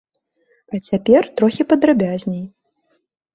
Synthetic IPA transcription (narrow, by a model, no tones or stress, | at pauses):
ɐt͡sʲapʲɛrt̪ɾɔxʲipɐd̪ɾabʲazʲnʲej